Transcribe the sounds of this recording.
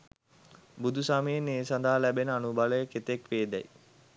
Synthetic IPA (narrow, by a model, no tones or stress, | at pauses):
bud̪ʱusamijeneːsand̪ʱaɦalæbenəanubaləjəket̪ekʋeːd̪ɛj